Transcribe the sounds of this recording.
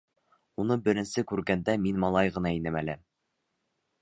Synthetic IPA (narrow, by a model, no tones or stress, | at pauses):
unɤbɘ̆ɾɘ̆nsɘkʉɾɡænd̪æminmɑlˠɑjʁɤ̆nɑinɘmælɘ